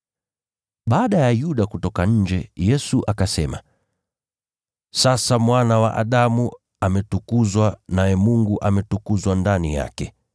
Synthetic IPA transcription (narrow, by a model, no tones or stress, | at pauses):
ɓaːɗajajuɗakutɔkaɲ̩d͡ʒɛjɛsuʔakasɛma̰ | sasamwanawa̰ʔa̰ɗamu | amɛtukuzwanajɛmuŋɡuʔamɛtukuzwandanija̰kɛ